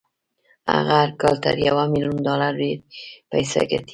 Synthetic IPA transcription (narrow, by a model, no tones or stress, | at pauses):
a̰ɣaaɾkɑlt̪a̰ɾjawamiljund̪ɑlaɾɖeɾpajsa̰ɡat̪i̥